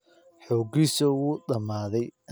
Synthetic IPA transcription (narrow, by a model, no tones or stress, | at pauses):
ħɔːɡisɔwuɗɐmaːðɛj